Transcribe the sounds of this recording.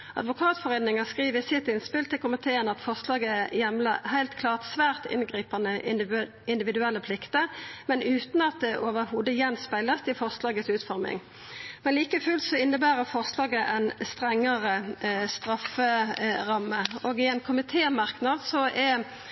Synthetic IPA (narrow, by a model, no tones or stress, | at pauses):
ʔɑ̰d̪ʋʊkʰɑːt̪fɔʁeːd̪nɪŋəskʁiːʋəsɪt̪ːɪnspɪlt̪ʰːɪlkʊmɪt̪ʰeːənɑt̪fɔʁslɑːɡəjɛmləhæɪlt̪kʰlɑːʁt̪sʋæːʁt̪ɪ̰nɡʁiːpɑnəʔ | ɪnd̪ɪʋɪd̪ʉɛlːəpʰlɪkt̪əɾmɛnʉːt̪n̩ɑt̪̚d̪ɛʔoːʋəɾhuːd̪əjɛnspæɪləsd̪ɪfɔʁslɑːɡət̪sʉːt̪fɔɾmɪ̰ŋ | mɛnliːkəfʉlt̪sɔɪnːəbæːɾəfɔʁslɑːɡəʔɛnst̪ʁɛŋːəʁəst̪ʁɑfəɾɑmːəoːɡɪɛnkʰʊmɪt̪ʰeːmɑʁknɑd̪sɔʔɛ